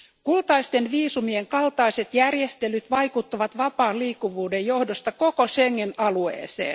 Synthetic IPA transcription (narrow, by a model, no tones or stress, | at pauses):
kult̪ɑist̪e̞nʋiːsumieŋkɑlt̪ɑise̞t̪jærjest̪elyt̪ʋɑjkut̪ːuʋɑt̪ʋɑpɑːlliːkːuʋuːdejjo̞hdost̪ɑkokoseŋːenɑluḛːsḛːn